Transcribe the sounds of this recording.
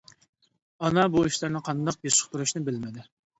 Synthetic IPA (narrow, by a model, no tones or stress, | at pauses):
ɑnɑbuiʃlɪɾnɪqʰɑnd̪ɑq̚beʃə̥χt̪uɾuʃnɪbɪlmɪd̪ɪ